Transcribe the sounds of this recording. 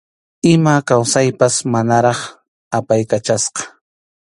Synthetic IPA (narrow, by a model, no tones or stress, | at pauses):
ɪmakawsajpasmanaɾɑχ | apajkat͡ʃasqɑ̥